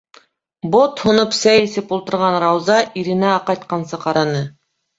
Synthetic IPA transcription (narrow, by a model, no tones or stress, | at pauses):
bot̪hŏnɤpsæjesɘpolˠt̪ɤ̆ɾʁɑnɾɑwzɑʔiɾɪ̆næɑqɑjt̪̚qɑnsɤqʰɑɾɑnɤ